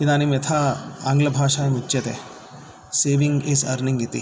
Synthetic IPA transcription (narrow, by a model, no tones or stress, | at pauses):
kid̪aːnimjɐt̪ʰaaːŋɡlɐbʱaːʃaːjmut͡ʃːt͡ʃɐt̪ḛ | seːʋiŋɡizɐ̰ɾniŋɡit̪ḭ